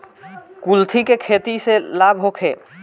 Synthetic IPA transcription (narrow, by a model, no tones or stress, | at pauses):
kult̪ʰikekʰet̪iselabʱɦokʰḛː